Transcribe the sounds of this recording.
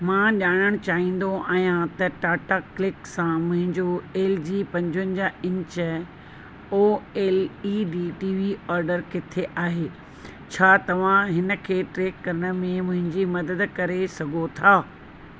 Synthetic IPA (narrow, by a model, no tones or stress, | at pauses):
mãːʄaːɽ̃əɽ̃t͡ɕaːɦĩːn̆d̪oʔaːɦijãt̪ɐʈaːʈaːklɪksãmʊ̃ɦɪ̃ɲd͡ʑoeːld͡ʑiːpɐ̃ɲd͡ʑʋənɪ̆d͡ʑaɪ̃ɲt͡ɕə | oːeːliɖiːʈiːʋiɔːɾɖəɾkɪt̪ʰeʔaːɦeː | t͡ɕʰaːt̪ɐʋ̤ãɦɪnə̆kʰeːʈɾeːkːɐɾəɽ̃ə̆mẽmʊ̃ɦɪ̃ɲd͡ʑimɐd̪əd̪kɐɾesɐɡʱot̪ʰaː